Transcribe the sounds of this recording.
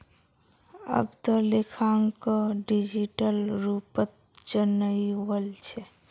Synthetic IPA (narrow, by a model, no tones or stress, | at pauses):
ə̰bt̪ɔlekʰaŋkəɖid͡ʒiʈəlɾupət̪̚ | d͡ʒənəjwəlt͡ʃʰɛ